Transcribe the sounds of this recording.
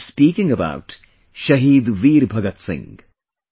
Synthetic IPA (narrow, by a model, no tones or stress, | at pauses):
spiːkɪ̃ŋəba̰ʊʈ | ʃɐɦiːd̪ʋiːɾbʱɐɡət̪sɪ̰̃ŋɡ